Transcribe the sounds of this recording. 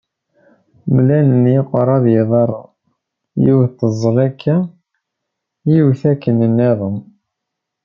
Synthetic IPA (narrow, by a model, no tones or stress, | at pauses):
mlænənjiqɾˤɑðjeðˤɑɾˤɑ | jiwt̪ːəzˤːlækʰːæ | jiwθækːənənːæðˤu